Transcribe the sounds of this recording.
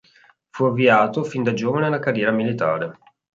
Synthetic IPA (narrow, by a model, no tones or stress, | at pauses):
fuavːiaːt̪ofind̪ad͡ʒoːvanelakarjɛːɾamilit̪a̰ːɾe